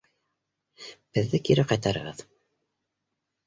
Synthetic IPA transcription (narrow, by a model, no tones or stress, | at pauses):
b̥ɘðːɘkiɾæqɑjt̪ɑɾə̰ʁɤð̥